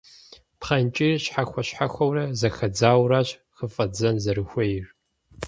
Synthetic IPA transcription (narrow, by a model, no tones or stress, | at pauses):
pχɐnt͡ʃʼiːɕħaxʷɐɕħaxʷɐwrɐzɐxɐd͡zaːwraːɕxəfʼɐd͡zɐnzɐɾɨxʷejɪr